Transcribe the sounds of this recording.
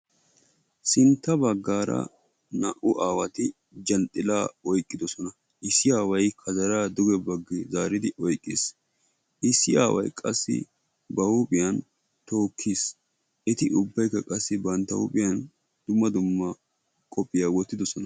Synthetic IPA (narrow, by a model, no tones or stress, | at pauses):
sɪnt̪ːɐbɐɡːaːɾɐ̰ | nɐʔʊʔaːwɐt̪ɪ | d͡ʒɐnt̪ʼːɪlaːɔjkʼːɪd̪ɔsɔnɐ | ʔɪsːɪaːwɐjkʰɐzɐɾaːd̪ʊɡɛbɐɡːɛzaːɾɪd̪ɪʔɔjkʼːɪ̰s | ʔɪsːɪa̰ːwɐ̰jkʼɐsːɪ̰ | bɐʊpʼɪjɐn | t̪o̞ːkʰːis | ʔɛt̪ɪʔʊbːɐjkːɐkʼɐsːɪbɐnt̪ːɐʊ̰pʼɪjɐn | d̪̥ʊmːɐd̪ʊmːɐ | kʼɔpʼːɪjawɔt̪ːɪd̪ɔsɔnɐ